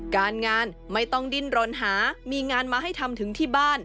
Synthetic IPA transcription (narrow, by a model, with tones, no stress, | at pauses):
kaː˧nŋaː˧n | ma˥˩jt̪ɔ˥˩ŋdi˧˥nɾoː˨˧˩nɦaː˩˦miː˧ŋaː˧nmaː˧ɦa˥˩jt̪ʰa˧mt̪ʰɯ˩˦ŋt̪ʰiː˥˩baː˥˩n